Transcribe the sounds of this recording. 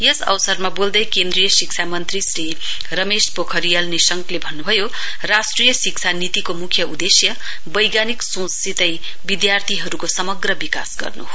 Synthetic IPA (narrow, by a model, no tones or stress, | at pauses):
jʌsʌ̰wsʌrmabold̪ʌjkend̪rijʌsik̚sʰamʌnt̪risri | rʌmespokʰʌɾijʌlnisʌŋklebʱʌnːubʱʌjo | rasʈrijʌsik̚t͡sʰanit̪ikomukʰjʌud̪esjʌ | bʌjɡaniksõsit̪ʌj | bid̪jart̪ʰiɦʌɾukosʌmʌɡrʌbika̰sɡʌ̰rnṵɦo